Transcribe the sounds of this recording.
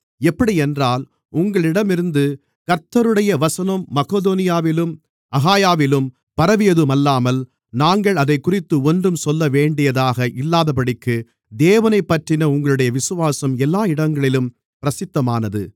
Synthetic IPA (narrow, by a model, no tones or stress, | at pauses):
ɛpːɐɽiɛndraːl | ʊŋɡɐɭɪɽɐmɪɾɯnd̪ɯ | kɐɾt̪ːɐɾɯɽɐjɐʋɐsɐnɐmːɐkoːðoːnɪjaːʋɪlɯm | ɐɣaːjaːʋɪlɯm | pɐɾɐʋɪjɐðɯmɐlːaːmɐl | naːŋɡɐɭɐðɐɪkːʊrɪt̪ːɯɔndrɯmsɔlːɐʋeːɳɖɪjɐðaːɣɐʔɪlːaːðɐpɐɽɪkːɯ | d̪eːʋɐnɐɪpːɐʈrɪnɐʊŋɡɐɭɯɽɐjɐʋɪsɯʋaːsɐmɛlːaːɪɽɐŋɡɐɭɪlɯm | pɪɾɐsɪt̪ːɐmaːnɐðɯ̰